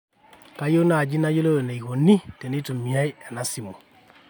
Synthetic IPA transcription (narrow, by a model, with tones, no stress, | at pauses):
ka˦jo˦na˨d͡ʒi˦na˦jo˦lo˦e˨na˨i˨ko˨ni˦tɛ˨ni˦tu˨mi˨a˦jɛ˨na˦si˨mo˨